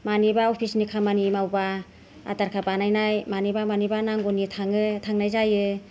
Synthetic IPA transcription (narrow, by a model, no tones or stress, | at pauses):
manibaɔpʰisnikʰamanimawba | a̰taɾkʰabanajnajmanibamanibanaŋɡɔnitʰaŋɯtʰaŋnajzajɯ